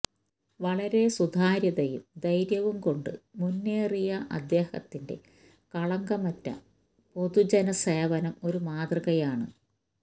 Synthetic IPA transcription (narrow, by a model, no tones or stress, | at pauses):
ʋɐɭɐɾe̞sud̪ʱaːɾjɐðɐjumd̪ɐjɾjɐʋumko̞ɳɖɨ̰munːeːrijɐʔɐ̰d̪je̞ːhɐ̰t̪ːinde̞̰ | kɐɭɐŋɡɐmɐtːɐ̰ | po̞ðud͡ʑɐnɐseːʋɐnɐmo̞ɾumaːd̪rɐɣɐjaːɳɨ̰